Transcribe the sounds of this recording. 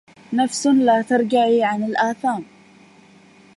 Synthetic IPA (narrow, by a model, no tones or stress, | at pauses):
nafslaːt̪ɑɾˤɡaʕiːʕanɪlʔaːθaːm